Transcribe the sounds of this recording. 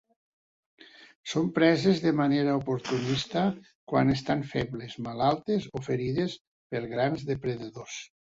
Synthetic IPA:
sompɾɛzezðemaneɾaopoɾt̪unist̪a | kwa̰nest̪aɱfɛβlezmalalˠt̪ezofeɾiðes | peɾɣɾanzðepɾeðaðos

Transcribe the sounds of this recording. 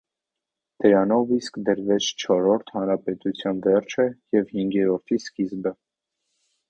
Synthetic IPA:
d̪̥əɾɑnɔviskd̪əɾvɛt͡sʰt͡ʃʰɔɾɔɾt̪ʰhɑnɾɑpɛt̪ut͡sʰjɑnvɛrt͡ʃʰəjɛvhiŋɡjɛɾɔɾt̪ʰiskizbə

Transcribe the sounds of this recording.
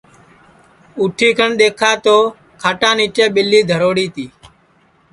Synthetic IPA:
uːʈʰiːkʰəɳɗ̪eːkʰaːt̪oː | kʰaːʈãːniːt͡ʃẽːɓɪliːd̪ʱəɾoːɽiːt̪iː

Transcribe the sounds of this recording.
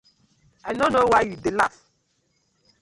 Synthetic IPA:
anonowajudela̰f

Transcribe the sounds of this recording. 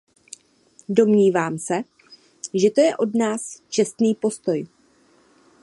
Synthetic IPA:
do̞mɲiːvaːmsɛ | ʒɛt̪o̞jɛʔo̞dnaːst͡ʃɛst̪niːpo̞st̪o̞j

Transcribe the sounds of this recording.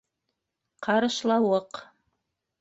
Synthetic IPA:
qʰɑɾɤ̆ʃlˠɑwɤq

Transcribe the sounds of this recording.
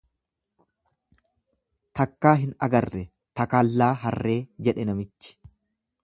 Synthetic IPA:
t̪ɐkːaːɦɪnɐ̰ɡɐrːɛ | t̪ɐkaːlːaːɦɐrːe̞ːd͡ʒɛᶑɛnɐmɪt͡ʃːɪ̥

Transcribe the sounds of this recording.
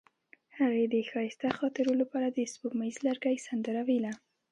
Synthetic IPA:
haɣed̪əxɑjɪst̪axɑt̪ɪɾolapɑɾad̪əsbokmaizlaɾɡajsand̪əɾawila

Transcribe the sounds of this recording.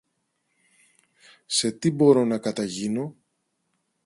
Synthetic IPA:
se̞t̪ibo̞ɾo̞nɐkɐt̪ɐʝino̞

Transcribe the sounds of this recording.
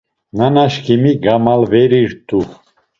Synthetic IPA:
nanaʃkʰimiɡamalvɛɾiɾt̪ʼu

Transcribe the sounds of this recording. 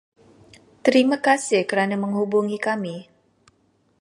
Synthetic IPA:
t̪əɾimakasɪhkəɾanaməŋɦubuŋikami

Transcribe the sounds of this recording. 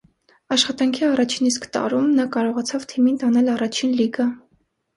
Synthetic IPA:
ɑʃχɑt̪ɑŋkʰiɑrɑt͡ʃʰiniskt̪ɑ̰ɾumnɑkɑɾɔʁɑt͡sʰɑvt̪ʰimint̪ɑnɛlɑrɑt͡ʃʰinliɡɑ

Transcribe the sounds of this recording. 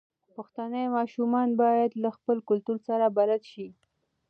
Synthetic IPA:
paxt̪anəjmɑʃumɑnbɑjad̪laxpəlkʊlt̪uɾsaɾabalad̪ʃi

